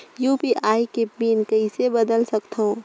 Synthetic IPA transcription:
juːpiʔaːikepiːnkəisebəd̪əlsəkt̪ʰɦõ

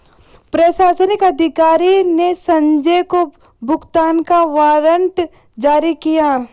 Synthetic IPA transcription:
pɾəʃaːsənɪkɐd̪ʱɪkaːɾinesɐ̃ɲd͡ʒejko | bʱʊɡt̪aːnkaʋaːɾənt̪ | d͡ʒaːɾikija

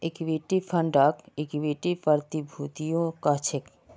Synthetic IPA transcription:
ekibeʈifʰɐɳɖakekibeʈipaɾt̪ibʱut̪ijokat͡ɕʰek

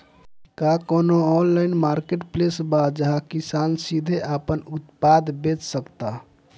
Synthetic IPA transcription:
kakonoɔnlaɪnmaɾkeʈplesbad͡ʒəɦakisansid̪ʱeʔapənut̪pad̪ʱbet͡ʃsəkt̪a

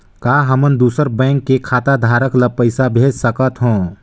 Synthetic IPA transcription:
kaːɦəmənd̪uːsəɾbɛ̃ːŋkːekʰaːt̪ad̪ʱaːɾəkləpəɪsabʱeːd͡ʒsəkət̪ɦõː

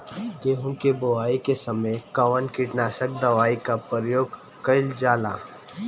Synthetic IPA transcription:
ɡeːɦʊ̃keboaːikesɐməjkɐʋənkiʈnaːsək̚d̪ɐʋaːikapəɾjoːɡ | kɐɪld͡ʒaːla̰ː

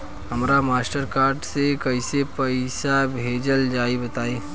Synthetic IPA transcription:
ɦɐmɾamaːsʈəɾkaːɾɖsekɐɪsepəɪsabʱeːd͡ʒəld͡ʒaːibət̪aːẽː

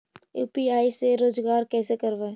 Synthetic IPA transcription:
jṵːpiaːiseɾoːd͡ʒɡaːɾkɛːsekəɾʋe

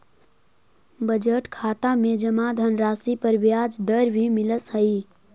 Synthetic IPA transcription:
bəd͡ʒəʈkʰat̪amed͡ʒəmad̪ʱənɾasipəɾʋjad͡ʒd̪əɾbʱimiləshəi

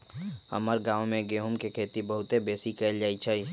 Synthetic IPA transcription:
hə̰məɾɡaːwmẽɡeːɦʊmkekʰeːt̪ibəɦʊt̪ebeːsikɛld͡ʒaːit͡ʃʰəi

